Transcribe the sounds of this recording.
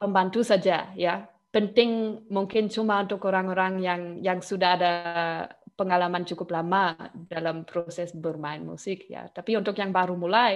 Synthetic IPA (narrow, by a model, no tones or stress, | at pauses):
pəmbant̪usad͡ʒaja | pənt̪ɪŋmuŋkɪnt͡ʃumaunt̪ʊkoɾaŋoɾaŋjaŋjaŋsudaɦada | pəŋalamant͡ʃukʊplamadalampɾosɛsbərmaɪnmṵsɪk̚ja̰t̪apiunt̪ʊkjaŋbaɾumulaj